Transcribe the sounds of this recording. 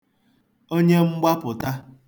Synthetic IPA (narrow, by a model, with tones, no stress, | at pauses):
o˦ɲe˦ŋ͡m̩˦ɡ͡ba˦pʊ˨ta˦